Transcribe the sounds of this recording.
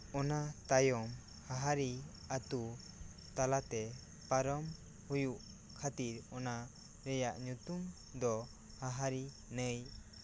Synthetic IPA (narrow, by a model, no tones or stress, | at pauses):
ɔnat̪ajɔm | haɦaɾi | at̪u | t̪alat̪ɛ | paɾɔm | hujuʔ | kʰat̪iɾɔna | ɾɛjaʔɲut̪um | d̪ɔ | haɦaɾi | nəj